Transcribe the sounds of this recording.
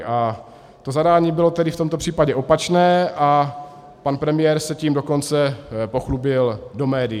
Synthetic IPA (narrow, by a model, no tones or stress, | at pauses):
ʔa | t̪o̞zadaːɲiːbɪlo̞t̪ɛdɪft̪o̞mt̪o̞pr̥iːpaɟɛʔo̞pat͡ʃnɛːʔa | panpɾɛmɪjɛːɾsɛciːmdo̞ko̞nt͡sɛpo̞xlubɪldo̞mɛːdɪ